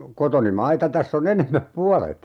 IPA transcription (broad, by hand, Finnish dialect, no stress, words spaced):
kotoni mɑitɑ tæsː on enemˑæp puɑlet